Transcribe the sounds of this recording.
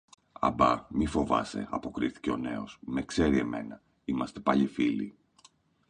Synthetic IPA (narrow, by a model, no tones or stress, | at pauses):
ɐ̰bɐmifo̞vɐ̰se̞̰ɐpo̞kɾiθi̥ce̞o̞ne̞o̞smekse̞ɾie̞me̞̰nɐ | imɐst̪e̞pɐʎifilḭ